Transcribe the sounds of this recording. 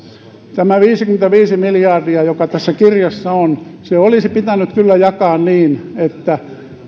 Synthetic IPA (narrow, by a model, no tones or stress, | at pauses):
t̪æmæʋiːsikyment̪æʋiːsimiljɑrdiɑjokɑt̪æsːækirjɑsːɑonseolisipit̪ænykkylːæjɑkɑːnniːnet̪ːæ